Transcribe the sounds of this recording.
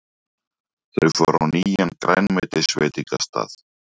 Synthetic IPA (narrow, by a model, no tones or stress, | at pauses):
θœɥkvɔɾawniːjankɾajnmɛt̪ɪsvɛːt̪iŋkast̪a̰ːθ